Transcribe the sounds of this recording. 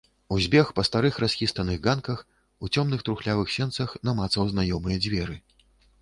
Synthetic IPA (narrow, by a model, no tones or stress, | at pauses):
uzʲbʲɛxpɐst̪aɾɨxɾasʲxʲist̪ɐnɨɣɡankɐx | ut͡sʲɔmnɨxt̪ɾuxlʲavɨxsʲɛnt̪sɐxnɐmat̪sɐwznajɔmɨjɐd͡zʲvʲɛɾɨ